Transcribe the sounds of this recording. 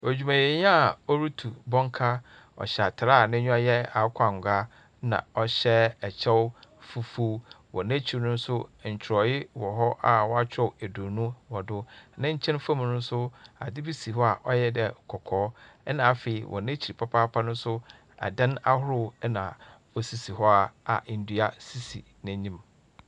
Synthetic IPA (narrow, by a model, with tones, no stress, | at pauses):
æ˨d͡ʑᶣu˨mã˨je˨ɲ˦a˨ɔ˦ɾu˦tʰu˨bɔ̃˦ŋ˦kʰa˦ | ɔ̰˨ɕɛ˨a˨tʰa˨ɾa˦˨nɪ̃˦ɲᶣʊ̃˦a˦jɛ˦a˨˦kʷʰa˦˨ŋ˨ɡʷa˦ | nã̰˨ɔ˨ɕɛ˦ɛ˨t͡ɕʰɛ˦wʊ˦fu˦fu˦ | wɔ̰˨nã˦t͡ɕʰi˨nʊ̃˦n̩˦sʊ˦ɲ̩˨t͡ɕʰɪ˨ɾɔ˨jɪ˦wɔ˨ɦɔ˦ʔa˨wɔ˦a˦t͡ɕʰᶣɔ˦wæ˨do˨nũ˦wɔ˨dʊ˦nã˦ɲ̩˦t͡ɕʰɛ̃˦n˦fã˦m˨nʊ̃˦n˦sʊ˦a̰˨dɪ˦bi˦si˨hɔ˦a˨ʔɔ˦jɛ˦dɛ˨kʰɔ˨kʰɔː˨˦ɛ˦nã˨a˨fe˨i˨wʔɔ̰˨nɛ̃˦t͡ɕʰi˨ɾi˨pʰa˦pʰaː˦pʰa˦nʊ̃˦n˦sʊ˦ | a̰˨dã˦na˦hʊ˦ɾʊ˦nã˨ | ɔ˨si˨si˨hɔ˦a˨a̰˨n̩˨˦du˦a˦si˦si˨ | nɪ̃˦ɲĩ˦m